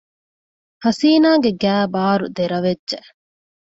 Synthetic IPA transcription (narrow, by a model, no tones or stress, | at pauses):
hɐsiːnaːɡeɡæːbaːɾud̪eɾɐʋedːʒe